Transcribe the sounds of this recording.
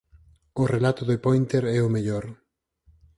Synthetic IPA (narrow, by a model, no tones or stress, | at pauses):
ʊrelat̪ʊðopojnt̪eɾɛʊmeʎoɾ